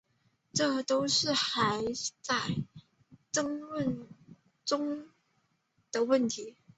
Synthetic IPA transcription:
ʈ͡ʂɤ˥˩t̪o˥ʊʂɻ̩˥˩xa˧˥ɪt͡sa˥˩ɪ | ʈ͡ʂə˥ŋwə˥˩n | ʈ͡ʂʊ˥ŋ | d̪̥ə˨wə˥˩nt̪ʰi˨˧˥

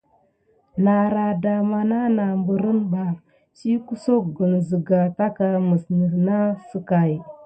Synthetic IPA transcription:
na˨ɾa˨da˨ma˨na˦na˨mbu˨ɾə˦nba˨ | t͡ʃi˦ku˦so˦kɡə˨nzə˨ɡa˨ta˦ka˨mə˨snə˨ɾna˦sə˦ka˨j

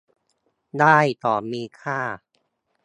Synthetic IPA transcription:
daː˥˩jt̪ɔː˨˩miː˧kʰaː˥˩

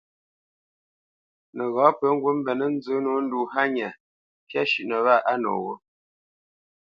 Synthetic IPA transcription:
nə˨ɣɔ̃ː˨˦pə˨˦ŋ̩˦ɡwə˦m̩˦bɛ˨nə˦n˦zə˨˦no˦n̩˦du˨ɦa˦ɲa˨ | pja˦ʃʉ˨ʔnə˨βa˦˨ʔa˦no̰˨wo˦

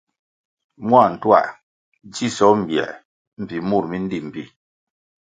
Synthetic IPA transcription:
mwa˦˨n̩˨twa̰˦˨ʔ | d͡ʒi˦˨sɔ˨˦m̩˨bjɛ̰˨ | m̩˨pi˨mu˦˨ɾmi˦n̩˦di˦˨m̩˨pi˦

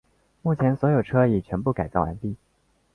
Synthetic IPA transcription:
mu˥˩t͡ɕʰjɛ˧˥nswɔ˧˥jo˨˩ʊʈ͡ʂʰɤ˥i˨˩t͡ɕʰɥɛ˧˥npu˥˩ka˨˩t͡sɑ˥˩a̰˧˥np̪i˥˩

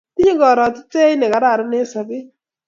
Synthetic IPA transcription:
ti˦ɲe˦ɡɔ˨ɾɔ˨tɪ˦te˦i˦ne˨ka˨ɾa˦˨ɾʊ˦ne˦sa˨bɪ˦

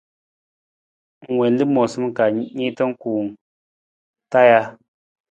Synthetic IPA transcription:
ŋ˨wɛ˨n˦lɨ˦mɔ˨sɨ˦m˦˨ka˨˦ɲi˦tə˦ŋ̩˦kuː˨ŋ˨ | ta˦ja˦

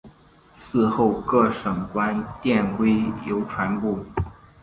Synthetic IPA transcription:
sɹ̩˥˧xo˥˧ʊkɤ˥˩ʂɤ˨˩ŋkwa˥nt̪jɛ˥˩nkwe˥ɪjo˧˥ʊʈ͡ʂʰwa˧˥npu˥˩

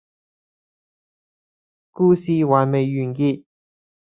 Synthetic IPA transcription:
kuː˧siː˨˧waː˨˩nme˨jːyː˨˩nkiː˧t̚

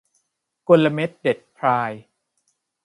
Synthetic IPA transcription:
ko˧nla˧me˦˥t̪̚de˨˩t̪̚pʰɾaː˧j

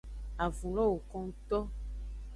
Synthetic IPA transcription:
a˨vũ˨lɔ̃˦wo˨kɔ̃˦ŋ̩˦t̪ɔ˦

